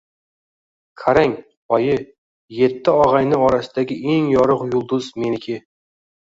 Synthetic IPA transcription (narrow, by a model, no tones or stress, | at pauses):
kʰaɾaŋ | ɒjɪ | je̞t̪ʰːɪɒʁajnɪɒɾasɪd̪aɡʲɪʔe̞ŋjɒɾɨqjʊlˠd̪ʊzme̞nɪkʲʰɪ